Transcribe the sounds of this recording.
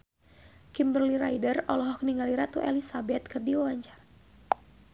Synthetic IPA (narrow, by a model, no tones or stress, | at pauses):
kimbərliɾajdərɔlɔɦɔk̚niŋɡaliɾat̪uʔɛlisabɛt̪̚kɨrdiwawaɲt͡ʃar